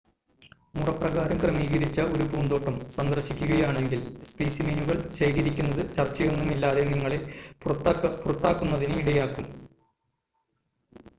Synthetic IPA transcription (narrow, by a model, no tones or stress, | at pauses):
murɐprɐɣaːɾɐmkrɐmiːɣɐɾit͡ɕːɐo̞ɾubuːnd̪o̞ːʈːɐmsɐnd̪ɐrɕikʲːuɣɐjaːɳe̞ŋɡilspiːsiminuɣɐɭɕɐjɣɐɾikʲːunːɐðɨt͡ɕɐrt͡ɕːɐjo̞nːumilːaːðeniŋːɐɭe | purɐt̪ːaːkːunːɐðinɨiɽɐjaːkːum